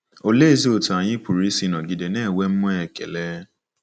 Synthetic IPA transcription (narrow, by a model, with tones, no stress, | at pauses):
o˨le˦zi˦o˨tu˨a˨j̃ĩ˦pu˨ɾi˨˦si˦nɔ̃˨ɡi˨de˨nɛː˦˨wɛ˦m̩˦mɔ̃˦ɛ˨kɛ̰˨lɛ˦